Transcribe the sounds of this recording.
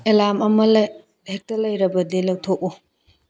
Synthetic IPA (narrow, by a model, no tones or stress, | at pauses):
elamɐmɐl | hek̚tɐlɐjɾɐbɐdilɐwtʰok̚u